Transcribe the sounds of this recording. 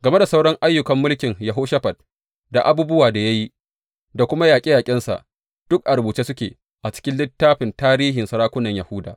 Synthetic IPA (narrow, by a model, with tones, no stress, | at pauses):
ɡɐ˨me˦da˨sa˦wɽɔ˦ŋʔa˦jːʊ˨kɐ˨mːʊ˦lkʲɪ˨ŋjɐ˨ɦoː˦ʃɐ˦ɸɐ˨d̚ | da˨ʔa˦buː˦bʊ˦waː˨da˨ja˦ji˦ | da˨kʷʊ˦ma˦jaː˨kʲʼɪ˦jaː˨kʲʼɪ˦nsa̰˨ʔ | d̥ʊ˦k̚ʔa˨ɾbuː˨t͡ʃeː˦sʊ˦kʲḛː˨ | ʔa˨t͡ʃɪ̥˦kʲɪ˦nlɪ˦tːaː˦ɸɪ˨ntaː˦ɾiː˦ɦɪ˨nsɐ˨ɾaː˦kʷʊ˦nɐ˨ɲjɐ˨hʊ˦da̰ː˨